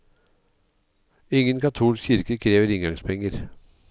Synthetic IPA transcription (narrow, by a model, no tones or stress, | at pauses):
ɪŋənkʰɑt̪ʰuːlskçɪɾkəkʰɾeːʋəɾɪŋɡɑŋspʰɛŋəɾ